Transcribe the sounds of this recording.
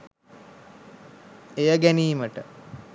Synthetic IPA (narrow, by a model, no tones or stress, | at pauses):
ejəɡæniːməʈə